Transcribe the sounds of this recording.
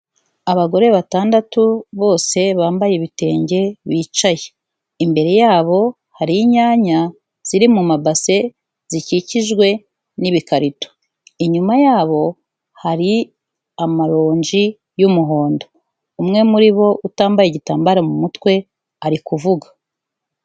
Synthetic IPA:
aβaɡo̞ɾe̞βataːndatuβo̞ːse̞βaːmbajeβite̞ːɲɟe̞βiːt͡ʃaje | imbe̞ɾe̞jaːβo̞ | haɾiɲaːɲa | z̥iɾimumabase̞ | z̥iciciʒɡwe̞ | niβikaɾito̥ | iɲumajaːβo̞ | haɾi | amaɾoːɲd͡ʒi | jumuɦo̞ːndo̞ | umŋe̞muɾiβo̞ʔutaːmbajeɟitaːmbaɾamumutwe̞ | aɾikuvuɡḁ

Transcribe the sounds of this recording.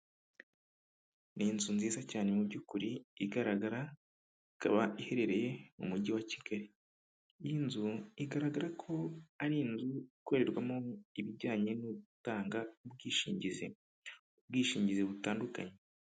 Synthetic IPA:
niːnzunziːzacaːne̞mubɟukuɾiːɡaɾaɡaɾa | ika̰βaihe̞ɾe̞ɾe̞je̞mṵmuɟiwaciɡ̥aɾi | jinzuiɡaɾaɡaɾakʰo̞aɾiːnzuiko̞ɾe̞ɾɡwamoiβiɟaːɲe̞nuβuutaːŋɡaub̚ɡiːʃḭːɲɟizḛ | ub̚ɡiːʃiːɲɟizeβutaːnduka̰ɲe̞

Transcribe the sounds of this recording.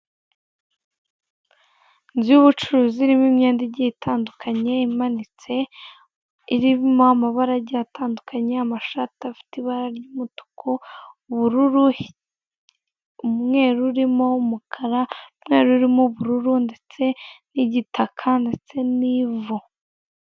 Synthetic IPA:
nzuβut͡ʃuɾuːziɾimimɲeːndiɟiitʰaːndukʰaɲe̞imanit͡se̞ | iɾiβimoamaβaɾaɟiatʰaːndukʰaɲeamaʃatiafi̥tiβaɾaɾɟuːmotu̥kʰouβuɾuɾu | umŋe̞ːɾuɾimo̞umukʰaɾamŋe̞ːɾuɾimoβuɾuɾunde̞t͡se̞niɟitʰakʰande̞t͡se̞nivu

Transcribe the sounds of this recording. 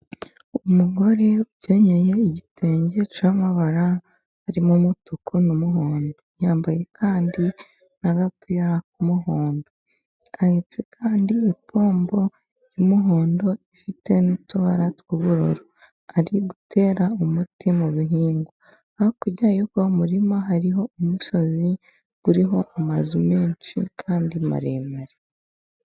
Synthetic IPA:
umuɡo̞ɾe̞uɟeɲeje̞iɟitʰeːɲɟe̞t͡ʃamaβaɾaː | ɾimumutukʰunumuɦoːndo̞jaːmbaje̞kʰaːndi | naɡapiɾak̚umuɦoːndo̞ | ahet͡se̞kʰaːndiipʰo̞ːmbo̞ | imuɦoːndo̞ifite̞nituβaɾatkuβuɾo̰ɾo | aɾiɡutʰe̞ːɾaumutimuβiɦiːŋɡu | ahokuɟajubɡaomuɾimaɦaɾiɦo̞umuso̞zi | ɡ̥uɾiɦo̞ʔamazume̞ːnt͡ʃḭkʰaːndima̰ɾeːmaɾe

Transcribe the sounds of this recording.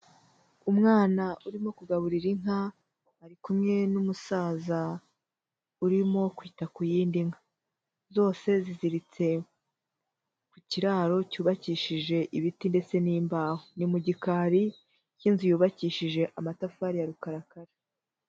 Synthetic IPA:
umŋaːnauɾimo̞kuɡaβuɾiɾiŋɦa | aɾikumŋe̞numusaːza | uɾimo̞kwiːtakujiːndiŋḁ | zo̞ːse̞ziziɾit͡se̞ | kuciɾaːɾo̞cuːβaciːʃiʒe̞ʔiβitinde̞t͡se̞niːmbaːhonimuɟikaːɾi | cinzijuːβaciːʃiʒe̞ʔamatafaːɾijaɾukaɾakaɾa

